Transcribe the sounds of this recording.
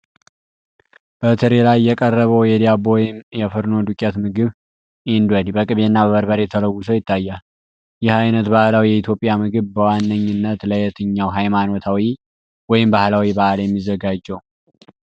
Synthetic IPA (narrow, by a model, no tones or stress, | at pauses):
b̥ət̪ʰɨɾelajːɛkʼərːəβəwjɛd̪iabowjɪmjɛfɨɾno̞d̪ukʼjat̪mɨɡɨβ | ʔind̪wɛd̪ibəkʼɨβenːabəβəɾbəɾe̞t̪ʰələwːʊsəwjɪt̪ʰːajːal | jɪhajnət̪bahlawijɛit̪ʰjo̞pʼijamɨɡɨβbəwanːəɲːɨnːət̪ləjɛt̪ʰɨɲːawɦajmano̞t̪ʰawi | wɔjɪmbahlawibahljɛmːizːəɡad͡ʒːɛw